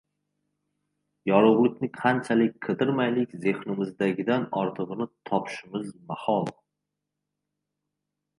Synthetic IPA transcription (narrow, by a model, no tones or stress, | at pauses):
jɒɾʊʁlˠɪkʲnɪqʰant͡ʃʰalɪkʲqʰɨd̪ɪɾmajlɪkʲze̞χnɪmɪzd̪aɡʲɪd̪anɒɾt̪ʰɨʁnɪt̪ʰɒpʰɪ̥ʃɪmɪzmahɒlˠ